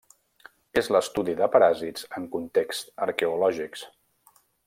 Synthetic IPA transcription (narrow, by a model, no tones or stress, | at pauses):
ezləst̪uðiðəpəɾazitzəŋkunt̪ekst̪əɾkɛulɔʒiks